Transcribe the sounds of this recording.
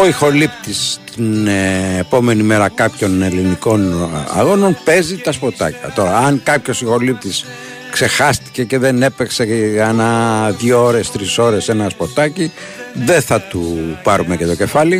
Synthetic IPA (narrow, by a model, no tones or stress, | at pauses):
oixo̞lipt̪ist̪inepo̞me̞nime̞ɾɐkɐpço̞ne̞liniko̞nɐ̰ɣo̞no̞npe̞zit̪ɐspo̞t̪ɐ̰cɐ̰t̪o̞ɾɐɐŋkɐpço̞sixo̞lip̚t̪is | kse̞xɐst̪i̥ce̞ce̞ðe̞ne̞pekse̞ɐnɐðʝooɾe̞st̪ɾiso̞ɾe̞se̞nɐspo̞t̪ɐci | ðe̞θɐt̪upɐɾume̞cet̪o̞ce̞fɐli